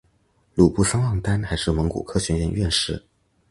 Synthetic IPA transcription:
lu˨˩pu˥˩sɑ˥ŋwɑ˥˩ŋt̪a˥nxa˧˥ɪʂɻ̩˥˩mɤ˧˥ŋkṵ˨˩kʰɤ˥ɕɥɛ˧˥ɥɛ˥˧nɥɛ˥˧nʂɻ̩˥˩

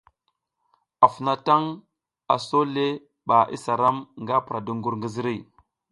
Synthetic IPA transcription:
a˨fu˨na˦ta˦ŋ | a̰˨so˦le˦ | ɓa˨ʔḭ˦sa˨ɾa˦mŋɡa˦pɾa˨du˦ŋɡu˨ɾŋɡə˦zi˦ɾi˦˨

